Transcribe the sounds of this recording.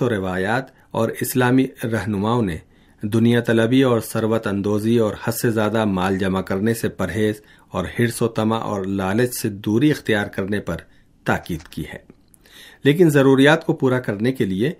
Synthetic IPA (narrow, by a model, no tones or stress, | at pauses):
oɾɪʋaːjaːt̪ | ɔːɾɪslaːmiɾɐɦnʊmaːõnḛ | d̪ʊnijat̪ɐləbiɔːɾsɐɾwət̪ɐ̃nd̪oːziɔːɾhɐsezjaːd̪amaːld͡ʒɐmakɐɾnesepɐɾɦeːz | ɔːɾhɪɽsot̪ɐma̰ʔɔ̰ːɾlaːlət͡ʃsed̪uːɾiɪxt̪ijaːɾkɐɾnepɐɾ | t̪aːkiːd̪kḭhɛ̰ː | leːk̬ɪnzɐɾuːɾijaːt̪kopuːɾakɐɾnekelie